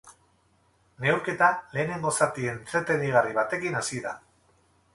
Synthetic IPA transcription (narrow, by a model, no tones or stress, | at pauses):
ne̞uwɾke̞t̪ale̞ːne̞ŋɡo̞sat̪ient͡set̪eðiɣ̞ariβ̞at̪e̞kinasiða̰